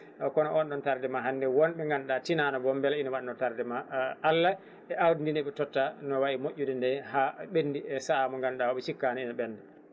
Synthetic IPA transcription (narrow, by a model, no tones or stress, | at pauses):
kɔnɔʔɔnɗɔntaɾdɛmaɦanːdɛwɔnɓɛŋɡanɗatinanɔbɔmbɛlainawaɗinɔtaɾdɛmaʔːlːa | ɛʔawdindinɛɓɛtɔtːanɔwaʔimoʔʲːudɛndɛhaɓenːdiɛsaamɔŋɡanɗawɔɓɛt͡ʃikːanainaɓɛnːdɛ